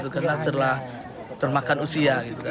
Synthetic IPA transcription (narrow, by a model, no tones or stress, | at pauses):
t̪ukarnat̪ərlah | t̪ərmakanusiaɡit̪uka